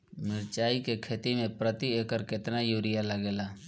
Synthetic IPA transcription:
mɪɾt͡ʃaːikekʰeːt̪imẽpɾət̪ieːkəɾkɪt̪najuːɾɪjaləɡeːlaː

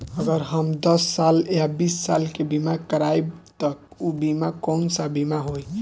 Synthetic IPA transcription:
əɡəɾɦəmd̪əsːaljabisːalkebimakəɾajbt̪əubimakɔwnsabimaɦoj

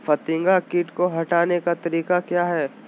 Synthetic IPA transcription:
fɐt̪ɪ̃ŋɡakiːʈkoɦɐʈaːnekat̪ɐɾiːkakjaːɦɛː

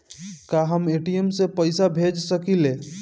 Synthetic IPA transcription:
kaɦəmeʈiemsepəjsabʱed͡ʒsəkile

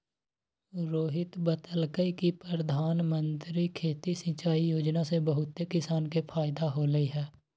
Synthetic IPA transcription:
ɾoːɦɪt̪bət̪əlkəikipɾɾəd̪ʱaːnmə̃nt̪ɾikʰeːt̪isə̃t͡ʃaːijoːd͡ʒnasebəɦʊt̪ːekɪsaːnkepʰaːɪd̪aɦoːləiɦɛː

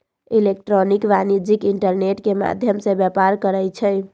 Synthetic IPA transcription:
ilek̚ʈɾonikbanid͡ʒikiɳʈəɾneʈkema̰d̪ʱjəmsẽbjapaɾkəɾəjt͡ʃʰɛj

